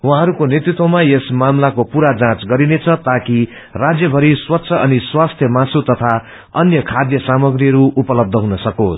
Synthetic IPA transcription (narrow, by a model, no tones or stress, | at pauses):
wɦãɦʌɾukonjet̪ɾit̪wʌmaesmamlakopuɾad͡zãt͡sɡʌɾinet͡sʰʌt̪aki | rad͡zjʌbʱʌɾiswʌt̪ːsʰʌʌniswast̪ʰjʌmasut̪ʌt̪ʰa | ʌnjʌkʰad̪jʌsamʌɡɾiʌɾuːpʌlʌb̚d̪ʱʌɦunʌsʌkos